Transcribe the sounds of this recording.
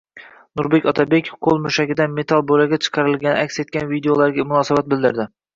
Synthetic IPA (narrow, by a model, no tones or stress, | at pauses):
nʊɾbe̞kʲɒt̪ʰabekʲʰefqʰolˠmʊʃakʲɪd̪anme̞t̪ʰalˠbolaɡʲat͡ʃʰɨ̥qʰɑɾɪlˠɡʲanɪakʲse̞t̪̚kʲanvid̪eolaɾɡʲamʊnɒːsabat̪̚bɪld̪ɪɾd̪ɪ